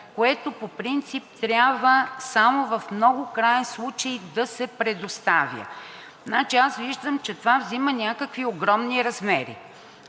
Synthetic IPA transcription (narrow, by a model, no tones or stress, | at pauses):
koɛt̪opopɾint̪sip̚t̪ɾʲabvəsamovɐfmnɔɡʊkɾajɛnslˠut͡ʃejd̪ɐsɛpɾɛd̪ost̪avʲjə̰ | nat͡ʃiasviʒd̪əmt͡ʃɛt̪ovavzimənʲakəkvioɡɾɔmniɾɐzmɛɾḭ